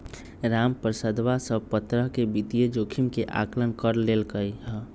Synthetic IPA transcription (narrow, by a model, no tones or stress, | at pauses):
ɾampɾəsəd̪ʋasəbpət̪ɾəɦkebit̪ijed͡ʒokʰimkeʔa̰klənkəɾlelkəjɦə